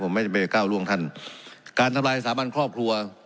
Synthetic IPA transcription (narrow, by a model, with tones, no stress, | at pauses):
pʰo˩˦ma˧˥˩pa˧˩˧kaː˥˩wlu˥˩əŋt̪ʰa˧˥˩nkaː˧nt̪ʰa˧mlaː˧jsaː˩˦maː˧˥˨nkʰɾɔː˥˩p̚kʰɾu˧ɐ